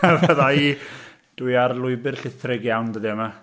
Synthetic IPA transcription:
avəðai | d̥wjarlˠʊɨbɨrɬɪθrɪɡjawndəðiəma

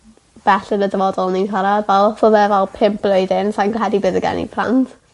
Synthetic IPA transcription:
b̥ɛɬənədəvɔdɔlˠninkʰaɾadvɛlˠsɔðɛvɛlˠpʰɪmp̚blˠoɨdɪnsajnɡɦɛdibɨːðəɡɛ̰nḭpʰlˠa̰ntʰ

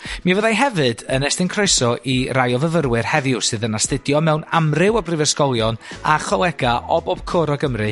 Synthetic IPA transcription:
mivəðajɦɛvɨdənɛstɪnkʰrojsɔʔirajɔvəvərwɨrhɛvɪʊsɨːðənastɪdjɔmɛwnamrɪwɔbrɪvɛskɔlˠjɔnaχɔlˠɛɡaʔɔbɔb̥̚kʰɔɾɔɡəmrɨ

